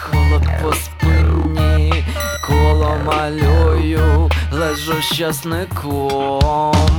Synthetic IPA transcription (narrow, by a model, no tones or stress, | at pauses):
xɔlˠɔt̪pɔspɪnʲi | kʰɔlˠɔmɐlʲɔjʊlˠɛʒɔwʃɐsnɪkʰɔ | m